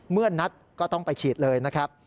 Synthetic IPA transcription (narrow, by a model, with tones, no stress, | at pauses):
mɯ˥˩ɐna˦˥t̪̚kɔː˥˩t̪ɔ˥˩ŋpa˧jt͡ɕʰiː˨˩t̪̚lɤː˧jna˦˥kʰɾa˦˥p̚